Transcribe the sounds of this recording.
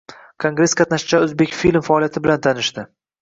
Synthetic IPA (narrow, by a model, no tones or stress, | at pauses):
kʰoŋɡɾe̞sqʰɑt̪naʃɪt͡ʃaɵzbe̞kʲfilmfaɒːlˠijat̪ʰɪbɪlant̪ʰanɪʃd̪ɪ